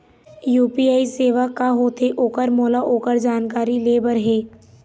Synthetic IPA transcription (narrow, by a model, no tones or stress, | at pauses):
juːpiaːiseːʋakaɦoːt̪ʰeʔoːkəɾmoːlaʔoːkəɾd͡ʒaːnkaːɾileːbəɾɦɛː